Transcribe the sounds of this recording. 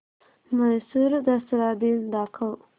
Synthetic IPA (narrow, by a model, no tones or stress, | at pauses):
majsuɾd̪asɾɑbind̪ɑkʰaw